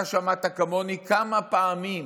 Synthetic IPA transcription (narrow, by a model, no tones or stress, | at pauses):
aʃamat̪akamonikamapaːmim